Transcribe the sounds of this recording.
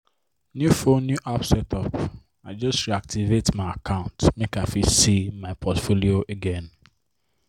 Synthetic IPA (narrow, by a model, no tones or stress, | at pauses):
njufonːjuʔapsɛtʰɔp | aɪd͡ʒɔstɹiak̚tʰivetmaɪakʰãʊ̃ntmekaɪfisimaɪpʰɔtfolioʔeɡɛ̃n